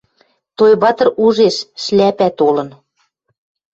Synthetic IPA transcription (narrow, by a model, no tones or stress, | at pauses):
t̪ojβɑt̪ɤ̆ruʒeʃːlæpæt̪olɤ̆n